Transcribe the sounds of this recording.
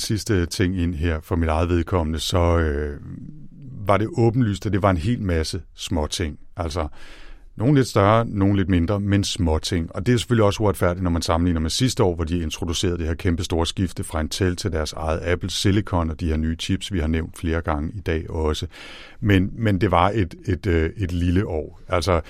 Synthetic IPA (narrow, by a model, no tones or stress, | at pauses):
sisd̥ət͡sʰe̝ŋ̰e̝n̰ɦeɐ̰fɒ̽midɑ̈ɪð̩ˠʋe̝ð̞ˠkʰɒ̽m̰nəsɒ̽ø | ʋɑ̈ɾe̝ʔɔ̽ːb̥n̩ly̰ːsd̥æd̥e̝ʋɑ̈e̝nɦe̝̰ːlmæsəsmɒ̽t͡sʰe̝ŋ̰ | ʔæl̰sɒ | no̝ːnle̝d̥sd̥ɶɐno̝ːn̩le̝d̥̚me̝nd̥ʁɐmensmɒ̽t͡sʰe̝ŋ̰ɒ̽d̥e̝æse̥føliɒ̽səoɐd̥fæɐdi̥nɒmænsɑ̈mn̩lḭːnɐmesisd̥əɒ̰ːʋɒd̥ie̝nt͡sʰʁo̝d̥use̝̰ːɐð̞ˠd̥eheɐkʰemb̥əsd̥o̝ːɐsɡ̥ifd̥əfʁɑ̈e̝nt͡sʰelt͡sʰe̝ld̥æɐsɑ̈ɪð̩ˠæb̥l̩selikʰɒ̽nɒ̽d̥ihe̝ɐnyːt͡sʰib̥sʋihɑ̈neʊ̰nd̥fle̝ːɐɡ̥ɑ̈ŋəid̥ɛ̰ːɒ̽sə | menmend̥e̝ʋɑ̈e̝d̥e̝d̥øe̝d̥liləʔɒ̰ː | æl̰sɒ